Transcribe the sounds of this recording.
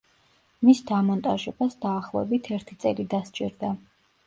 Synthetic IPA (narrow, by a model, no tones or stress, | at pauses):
misd̪amɔnt̪ʼaʒɛbasd̪aːχlˠɔɛbit̪ʰɛɾt̪ʰit̪sʼɛlid̪ast͡ʃʼiɾd̪a